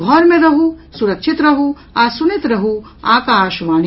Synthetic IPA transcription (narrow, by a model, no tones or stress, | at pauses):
ɡʱɔːɾmẽɾɐɦusuɾɐkʃit̪ɾɐɦu | aːsunit̪ɾɐɦu | aːkaːʃʋaːn